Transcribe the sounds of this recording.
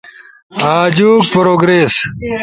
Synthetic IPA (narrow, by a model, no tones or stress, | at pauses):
aːd͡ʑuːk̚pɐɾoːɡɾeːs